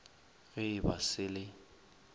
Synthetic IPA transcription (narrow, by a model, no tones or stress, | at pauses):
ɣɪɪbasɪlɪ